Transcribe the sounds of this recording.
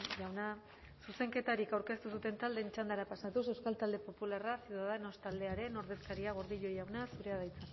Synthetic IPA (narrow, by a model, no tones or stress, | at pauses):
ʝawna | suse̞ŋke̞t̪aɾikawɾke̞st̪usut̪e̞nt̪ald̪e̞nt͡ʃand̪aɾapasat̪us̬ewskalt̪ald̪e̞po̞pularasiuðaðeno̞st̪ald̪eaɾe̞no̞ɾð̞e̞skaɾiaɣoɾðiʎo̞jawnasuɾe̞aðajt͡sak